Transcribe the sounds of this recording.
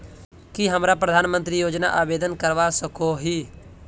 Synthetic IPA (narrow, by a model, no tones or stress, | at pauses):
kɪɦəmɾaːpɾəd̪ʱaːnmə̃nt̪ɾiːjoːd͡ʒna̰ːʔaːʋeːd̪ənkəɾʋaːsəkoːɦiː